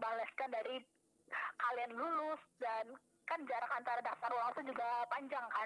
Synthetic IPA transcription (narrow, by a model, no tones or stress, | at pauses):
balaskandaɾi | kalianlulʊsdan | kand͡ʒaɾakant̪aɾadak̚t̪aɾɔlat̪ud͡ʒuɡapaɲd͡ʒaŋka